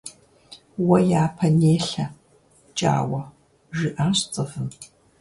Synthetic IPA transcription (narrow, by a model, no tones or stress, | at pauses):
wɐjaːpʰɐneːɬɐ | t͡ʃʼa̰ːwɐ | ʒɪʔaːɕʼt͡sʼɨvɨm